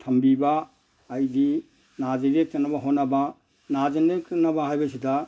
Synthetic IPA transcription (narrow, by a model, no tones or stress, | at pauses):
tʰɐmbibaː | jdi | nad͡ʒeɾek̚tanabaɦonːaba | nad͡ʒenekɯnabaɦajbasida